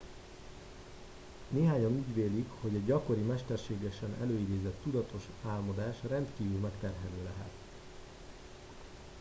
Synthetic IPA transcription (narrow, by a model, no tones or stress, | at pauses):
neːɦaːɲɒnuːɟveːlikho̞ɟɛɟɟɒko̞ɾimɛʃt̪ɛrʃeːɡɛʃɛnɛ̰løːid̪eːzɛt̪ːud̪ɒt̪ʰo̞ʃ | aːlmod̪aːʃrɛnt̪kiːvylmɛkt̪ɛrɦɛløːlɛɦɛ̰t̪